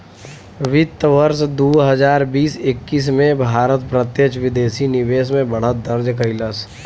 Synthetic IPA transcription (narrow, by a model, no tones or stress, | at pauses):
ʋɪt̪ːəʋəɾsd̪oːɦɐzaːɾbiːsɪkːiːs̬mẽbʱaːɾət̪pɾət̪jət͡ʃʋɪd̪eːsinɪʋeːsmẽbɐɽ̤ət̪̚d̪ɐɾd͡ʒkəɪləs